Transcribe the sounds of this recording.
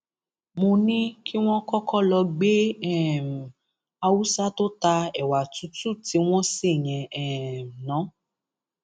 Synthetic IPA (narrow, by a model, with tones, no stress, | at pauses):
mõ˧nĩ˦ki˦w̃ɔ̃˦kɔ˦kɔ˦lɔ˧ɡ͡be˦ɛ˦˨m̩˨ | a˧wu˦sa˦to˦ta˧ɛ˨wa˨tu˨˦tu˦˨ti˨˦w̃ɔ̃˦se˦˨j̃ɛ̃˨ɛ˦˨m˨nã˨˦